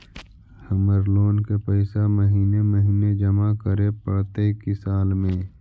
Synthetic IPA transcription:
həməɾloːnkepəɪsaməɦiːneməɦiːned͡ʒəmakəɾepəɽt̪ekisaːlmẽː

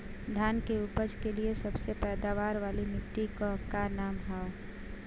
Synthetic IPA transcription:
d̪ʱjaːnkeupəd͡ʒkeliesɐbsepɛːd̪aʋaːɾʋaːlimɪʈːikokːaɾnaːmɦɛo

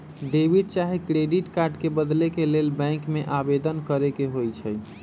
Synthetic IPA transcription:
ɖebiɖ̚t͡ʃaɦikɾeɖiʈkaɾɖkebəd̪lekelelbɛ̃ŋkmeʔabed̪ənkəɾekeɦojt͡ʃʰɛj

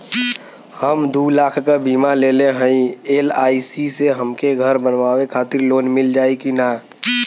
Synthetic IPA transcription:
həmd̪uːlaːkʰkabiːmaleːleɦə̃ĩelaːisiseɦəmkeɡʱəɾbənʋaːwekʰaːt̪ɪɾloːnmɪld͡ʒaːekinaː

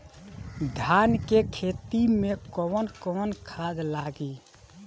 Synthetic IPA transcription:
d̪ʱjankekʰet̪imẽkɔwənkɔənkʰad̪laɡi

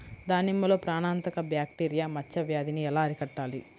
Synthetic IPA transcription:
d̪aːnimːɐlo̞ːpɾaːɳaːnt̪ɐkɐbjaːk̚ʈiːɾijaːmɐt͡ʃːɐʋjaːd̪iniɛlaːɐɾikɐʈːaːli

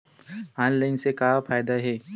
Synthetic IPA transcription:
aːnlaːɪnsekaːfaːjd̪aɦɛː

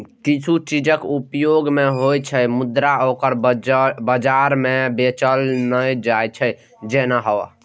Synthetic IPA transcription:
kit͡ʃʰut͡ʃid͡ʒəkupjoɡmeɦojt͡ʃʰəmud̪ɾaokəɾbəd͡ʒaɾmebet͡ʃəlnəjd͡ʒajt͡ʃʰə | d͡ʒenaɦə̰

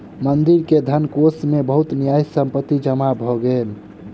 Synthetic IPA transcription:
mənd̪iɾked̪ʱənkosmebəɦut̪nijajsəmpət̪ːid͡ʒəmabʱɔɡel

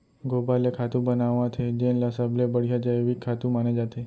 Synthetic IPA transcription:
ɡobalekʰat̪ũbənaʋːãt̪ʰed͡ʒenlasablebəɽ̤ijad͡ʒajeʋikʰːat̪ũmaned͡ʒat̪e

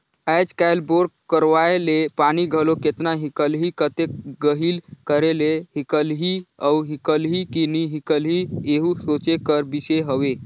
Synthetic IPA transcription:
ɛːd͡ʒkaɪlboɾɡkəɾʋaelepaniɡʱəloket̪naɦikəlɦikət̪eɡəɦilkəɾeleɦikəlɦiəuɦikəlɦikiniɦikəlɦieɦusot͡ʃekəɾbiseɦəʋe

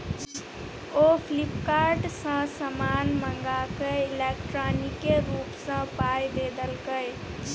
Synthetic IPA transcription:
opʰlipkaɾɖsə̃səmanməŋɡakeilekʈɾɔnikeɾupsə̃pajb̪ed̪əlkəj

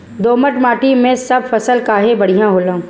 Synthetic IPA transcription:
d̪oːməʈmaːʈimẽsɐbfɐsəlkaːɦebɐɽ̤ijãɦoːlãː

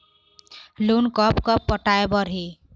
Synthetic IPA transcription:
lonkʌpkʌpːʌʈaebʌɾɦe

